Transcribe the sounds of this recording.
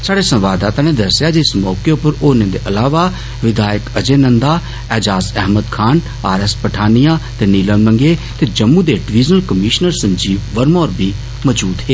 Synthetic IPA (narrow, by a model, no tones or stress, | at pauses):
saːɽesɐ̃mʋaːd̪aːt̪aːned̪ɐɾsjaːd͡ʒɪsmɔːkejopəɾoːnẽnd̪eʔɐlaːʋa | ʋɪd̪aːjəkɐd͡ʒenə̃nd̪aː | ɛːd͡ʒaːzɛɦməd̪kʰaːn | a̰ːɾespɐʈʰaːnijãːt̪eniːlənlə̃ŋɡet̪ed͡ʒɐmːud̪eːɖɪʋiːznəlkəmiːʃnəɾsɐ̃ɲd͡ʒiːʋʋəɾmoːɾbʱi | məd͡ʒuːd̪ɦeː